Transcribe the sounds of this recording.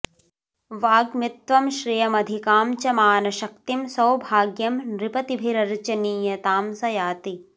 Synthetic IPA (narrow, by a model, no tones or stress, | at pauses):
ʋaːɡmit̪ʋɐmʃɾijɐmɐd̪ʱikaːmt͡ʃɐmaːnɐʃɐk̚t̪imsɐwbʱaːɡjɐmɾipɐt̪ibʱiɾɐɾt͡ʃɐniːjɐt̪aːmsɐjaːt̪i